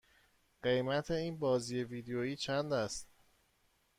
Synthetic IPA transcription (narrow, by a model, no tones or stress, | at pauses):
ɢ̥e̞jmæt̪ʰe̞iːnbɒːziːje̞viːd̪ejoiːt͡ʃʰænd̪æst̪